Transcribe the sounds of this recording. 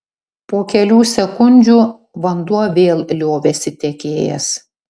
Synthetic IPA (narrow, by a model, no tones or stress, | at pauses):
poːkʲɛlʲuːsʲɛkʊnʲd͡ʒʲuː | ʋɐnd̪uɔʋʲeːlˠlʲoːʋʲesʲɪt̪ʲɛkʲeːjɛ̰s